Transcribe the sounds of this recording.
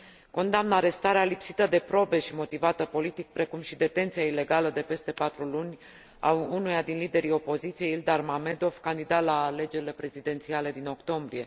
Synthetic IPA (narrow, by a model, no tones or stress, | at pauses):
ko̞nd̪amnəaɾe̞st̪aɾealipsit̪əd̪e̞pɾo̞be̞ʃimo̞t̪ivat̪əpo̞lit̪ik̚pɾe̞kumʃid̪e̞t̪e̞nt̪sijaile̞ɡaləd̪e̞pe̞st̪e̞pat̪ɾulunʲ | a̰unujad̪inlid̪e̞ɾio̞po̞zit̪sije̞ild̪armame̞d̪o̞vkand̪id̪alaːle̞d͡ʒe̞ɾile̞pɾe̞zid̪e̞nt̪siale̞d̪ino̞kt̪o̞mbɾije̞